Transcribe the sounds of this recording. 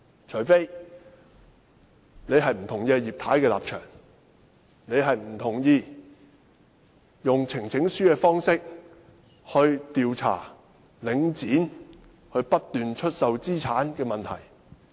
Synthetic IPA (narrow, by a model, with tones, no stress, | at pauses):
t͡ʃʰɵ˨˩fe˥j | ne˨˧jɦɐ˨jm̩˨˩t̪ʰʊ˨˩ŋjɛː˧jiː˨p̚t̪ʰaː˨˥jkɛː˧la̰ː˨p̚t͡ʃʰœ̰ː˨˩ŋ | ne˨˧jɦɐ˨jm̩˨˩t̪ʰʊ˨˩ŋjiː˧ | jʊ˨ŋt͡sʰɪ˨˩ŋt͡sʰɪ˨˥ŋsyː˥kɛː˧fɔː˥ŋsɪ˥k̚ | hɵ˧ɥt̪iː˨wt͡sʰa̰ː˨˩ | lɪ˨˧ŋt͡siː˨˥n | hɵ˧ɥpɐ˥t̚t̪yː˨nt͡ʃʰɵ˥t̚sɐ˨wt͡siː˥t͡sʰaː˨˥nkɛː˧mɐ˨nt̪ʰɐ̰˨˩j